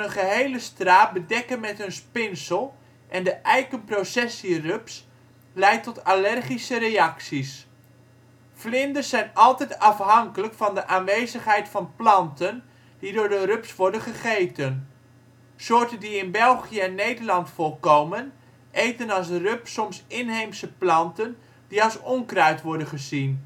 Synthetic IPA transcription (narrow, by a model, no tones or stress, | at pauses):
ənχəɦejləstraːt̚bədɛkənmɛtɦɵnspɪnsəlˠ | ʔɛndəʔɛjkənprowsɛsirøps | lɛjtɔtalɛrχisəɾejɑksis | flɪndəzɛjnɑlˠtɛjtɑfɦɑŋkələkfɑndəʔaːnʋejzəχɦɛjtfɑnplɑntən | d̥idʊːɹdərɵpsʋɔɹdənχəχejtən | sʊːɹtəndiɪnbɛlˠχijəɛnːejdəɹlɑntfɔlˠkowmən | ʔejtənɑlˠs̬rɵpsɔmsɪnɦejmsəplɑntən | d̥iɑlˠsɔŋkrœɥtʋɔɹdənχəzin